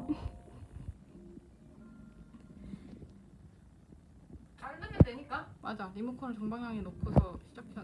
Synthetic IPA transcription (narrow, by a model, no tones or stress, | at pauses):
kaɭdɯkʰedweɲik͈amad͡ʑanimukʰonɯɭt͡ɕʌŋbaŋjaŋinopʰusʰʌɕʰid͡ʑak̚ʰe